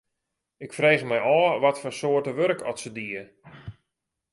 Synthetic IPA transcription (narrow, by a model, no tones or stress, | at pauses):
ɪkfreːɣəmɛjɔːʋɔtfɔrsoətəʋøɾkʰɔ̰tsədiə